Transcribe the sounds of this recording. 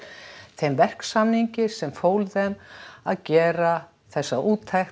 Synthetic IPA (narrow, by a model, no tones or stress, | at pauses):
θʰejmvɛr̥ksamniɲcɪsɛmfoːwlðɛmaðcɛːɾa | θɛsːaʔuːt̪ʰːajx